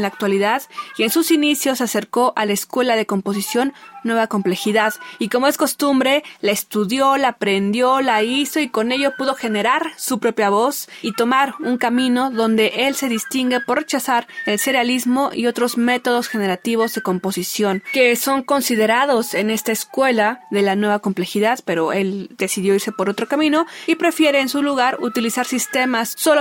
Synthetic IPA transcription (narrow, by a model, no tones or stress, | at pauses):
laːk̚t̪waliðaðie̞nsusinisjo̞sːase̞ɾko̞ʔalaeskwe̞lað̞e̞ko̞mpo̞s̬isjo̞nːwe̞βako̞mple̞xiðaðiko̞mo̞e̞sko̞st̪umbɾe̞laest̪uðjo̞laːpɾe̞nd̪jo̞laiso̞iko̞ne̞ʝopuðo̞xe̞ne̞ɾaɾsupɾo̞pjaβosit̪o̞maɾuŋkamĩno̞ðo̞nd̪e̞ʔe̞lse̞ðist̪iŋɡe̞po̞ɾre̞t͡ʃasaɾelse̞ɾealizmo̞ʔḭo̞t̪ɾo̞zme̞t̪o̞ðo̞sxe̞ne̞ɾat̪iβ̞o̞zðe̞ko̞mpo̞sisjo̞nke̞so̞ŋko̞nsiðe̞ɾaðo̞se̞ne̞st̪aeskwe̞laðe̞lanwe̞βako̞mple̞xiðaðpe̞ɾo̞e̞ld̪e̞siðjo̞iɾse̞po̞ɾo̞t̪ɾo̞kamĩno̞ipɾe̞fje̞ɾe̞ːnsuluɣaɾut̪ilisaɾsist̪e̞masːo̞lo